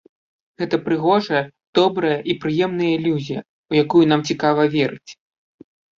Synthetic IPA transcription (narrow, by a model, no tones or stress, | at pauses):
ɣɛt̪ɐpɾɨɣɔʐɐjɐd̪̥ɔbɾɐjɐʔipɾɨjɛmn̪ɐjɐilʲuzʲijɐ | ujakujun̪amt͡sʲikavɐvʲɛɾɨt͡sʲ